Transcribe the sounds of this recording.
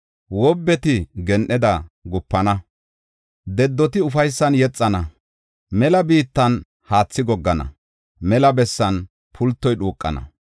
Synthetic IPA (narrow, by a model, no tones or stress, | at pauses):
wɔbːɛt̪ɪɡɛnʔɛd̪ɐɡʊpːɐnɐ | d̪ɛd̪ːɔt̪ɪʊfɐjsːɐnjɛt͡sʼːɐnɐ | mɛlɐbiːt̪ːɐn | haːt͡sːɪɡɔɡːɐnɐ̰ | mɛlɐbɛsːɐn | pʰʊlt̪ːɔjɗuːkʼːɐ̰nɐ̰